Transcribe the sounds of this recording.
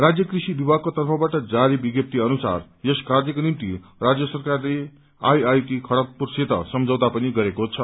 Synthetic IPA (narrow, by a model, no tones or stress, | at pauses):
rad͡zjʌkrisibibʱaɡ̚kot̪ʌrpʰʌbaʈʌd͡zaɾibiɡjʌp̚t̪iʌnusa̰r | jeskard̪jʌkonimt̪irad͡zjʌsʌrkarle | a̰jajukikʰʌɽʌk̪̚purset̪ʌ̰sʌmd͡zʌwd̪apʌniɡʌɾekot͡sʰʌ